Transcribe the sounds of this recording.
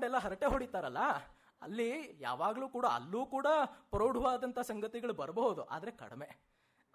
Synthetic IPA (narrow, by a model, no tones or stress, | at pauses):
ɖɛlːɐɦɐɾɐʈe̞ɦoɽit̪ːaːɾɐlːɐ | ɐ̰lːija̰ːʋaːɡɐluːkuːɽaɐ̰lːuːkuːɽɐpɾoːɽʱuʋaːd̪ɐnt̪ʰɐsɐŋɡɐt̪iɡɐɭubɐɾɐbɐɦud̪uʔa̰ːd̪ɐɾekɐ̰ɽme̞